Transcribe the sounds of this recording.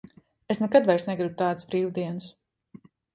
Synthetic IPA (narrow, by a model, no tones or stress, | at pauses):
esnɛkad̪vaɾsnɛɡɾibut̪aːt̪sbɾiːwd̪iɛns